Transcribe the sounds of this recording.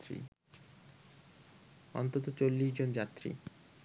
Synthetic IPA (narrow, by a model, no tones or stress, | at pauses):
ɾḭ | ɔ̰nt̪ot̪̬ot͡ɕolːiʃd͡ʑond͡ʑat̪ːɾḭ